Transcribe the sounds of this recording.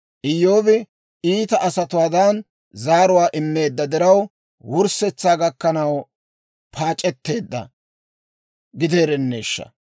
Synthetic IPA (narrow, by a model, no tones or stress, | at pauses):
ʔɪjːo̞ːbɪ | iːt̪ɐʔɐsɐt̪ʊwaːd̪an | zaːɾʊwaːʔɪmːe̞ːd̪ːɐd̪ɪɾɐw | wʊɾsɛt͡sːaːɡɐkːɐnɐw | pʰaːt͡ʃʼːɛt̪ːe̞ːd̪ːɐ̰ | ɡɪd̪e̞ːɾɛnːe̞ːʃːɐ̰